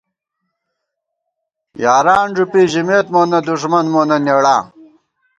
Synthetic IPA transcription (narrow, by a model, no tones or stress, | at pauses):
jaːɾaːnʐupiʑimeːt̪moːnɐd̪uʂmɐnmoːnɐneɽaː